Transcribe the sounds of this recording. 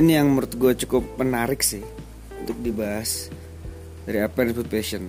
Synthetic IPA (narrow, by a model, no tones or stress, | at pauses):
inijaŋməɾʊt̪̚ɡuat͡ʃukʊpːənaɾɪk̚sɪh | unt̪ʊk̚dibaɦas | daɾiapɛnput̪̚peʃən